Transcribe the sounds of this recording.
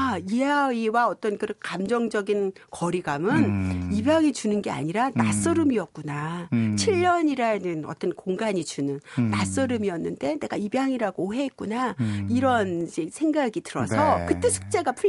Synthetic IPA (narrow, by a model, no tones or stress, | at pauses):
aijaiwaʌt͈ʌnkɯɾkamd͡ʑʌŋd͡ʑʌɡin | kʌɾiɡamɯnibjaŋid͡ʑunɯnɡe̞a̰ɲiɾanas͈ɯɾɯmiʌt̚k͈unat͡ɕʰiʎːʌɲiɾanɯnʌ̰t͈ʌnkoŋɡaɲid͡ʑunɯnːas͈ɯɾɯmiʌnːɯnde̞ne̞ɡaibjaŋiɾaɡoɦe̞ːt̚k͈unaiɾʌnid͡ʑesʰe̞ŋɡaɡitɯɾʌsʰʌkɯt͈e̞sʰu̥k̚t͡ɕ͈eɡapʰu